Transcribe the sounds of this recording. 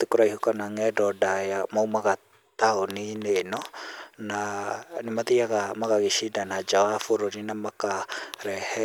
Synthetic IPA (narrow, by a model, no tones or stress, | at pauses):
t̪ikuɾaiɦukanaŋɛdɔdajamaumaɡa | t̪aoninenɔnanimat̪ijakamakaɡisidanad͡ʒawafuɾoninamakaɾɛhɛ